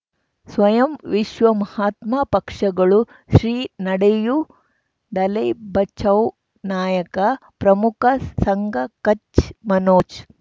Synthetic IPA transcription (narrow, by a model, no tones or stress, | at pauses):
sʋɐjɐmʋiʃʋɐmɐhaːt̪maːpɐkʂɐɡɐɭu | ʃɾiːnɐɽɐju | d̪ɐlɐjbɐt͡ʃʰɐw | naːjɐkɐpɾɐmukɐsɐŋɡɐkɐt͡ʃmɐnoːt͡ʃ